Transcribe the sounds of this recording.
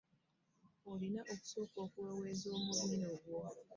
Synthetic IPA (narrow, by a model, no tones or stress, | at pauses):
olinaʔoku̥soːkoːkuwoweːzoːmuɾinoɡwo